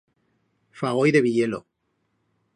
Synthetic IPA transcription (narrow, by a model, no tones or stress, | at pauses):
faɣ̞o̞jðe̞βiʎe̞lo̰